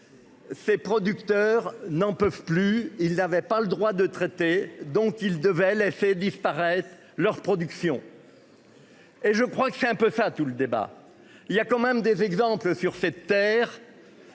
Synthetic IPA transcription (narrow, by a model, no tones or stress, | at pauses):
sepχɔd̪ykt̪œʁnɑ̃pœv̥plyilnavɛpaləd̪ʁwad̪ət̪χet̪ed̪ɔ̃kild̪əvɛlesed̪ispaʁɛt̪χ | lœʁpχɔd̪yksjɔ̃ | eʒəkχwakə̥sɛt̪ɛ̃pøsat̪uləd̪eba̰ | iljakɑ̃mɛmd̪ezɛɡzɑ̃pləsyʁsɛt̪ːɛːʁ